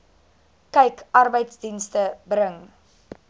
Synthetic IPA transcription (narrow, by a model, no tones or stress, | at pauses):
kɛjkɐrbəjtsdinstəbɾəŋ